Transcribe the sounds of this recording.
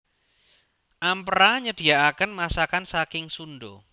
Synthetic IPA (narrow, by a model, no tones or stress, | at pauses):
ʔampɾaɲəd̪̥iaʔakənmasakansakɪŋsunɖo